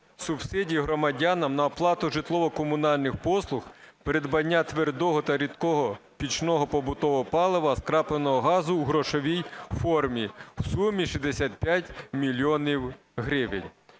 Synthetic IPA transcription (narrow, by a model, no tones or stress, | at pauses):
sʊb̥sɪdʲiɦɾɔmɐdʲanɐmnɐːplˠɑt̪ʊʒɪt̪lˠɔʋɔkɔmʊnɑlʲnɪxpɔslˠʊxpeɾed̪bɐnʲːat̪ʋerd̪ɔɦɔt̪ɐɾʲid̪kɔɦɔpʲit͡ʃnɔɦɔpɔbʊt̪ɔʋɔpɑlˠeʋɐskɾɑplˠenɔɦɔɦɑzʊuɦɾɔʃɔʋʲijfɔrmʲiw̥sumʲiʃizd̪esʲat̪̚pʲjatʲmʲilʲiɔnʲiw | ɦɾɪʋɪnʲ